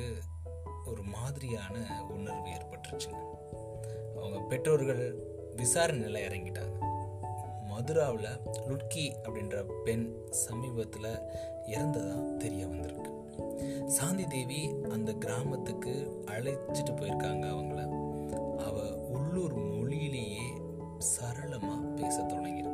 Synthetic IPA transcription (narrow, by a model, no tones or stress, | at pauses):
ɯ | ɔɾɯmaːðɪɾɪjaːnɐʊnːɐɾʋeːɾpɐʈːrɯt͡ʃːɯŋɐ | ɐʋɐŋɡɐpɛʈroːɾɣɐɭ | ʋɪsaːɾɐnɪlɐɪɾɐŋɡɪʈːa̰ːŋɡɐ | mɐðɯɾaːʋɪlɐlʊʈkiɐpːɐɽɪndrɐpɛn | sɐmiːbɐt̪ːɪlɐ | ɪɾɐnd̪ɐðãːt̪ɛɾɪjɐʋɐnd̪ɪɾɯkːɯ | saːnd̪id̪eːʋiɐnd̪ɐɡɪɾaːmɐt̪ːɯkːɯ | ɐɭɐt͡ʃːɯʈːɯpːoːjɪɾɯkːaːŋɡɐːʋɐŋɡɐɭɐ | ɐʋɐ | ʊɭːuːɾmɔɭɪjɪleːjeː | sɐɾɐɭɐmaːpeːsɐt̪ːɔɭɐŋɡɪɾɯkːɯ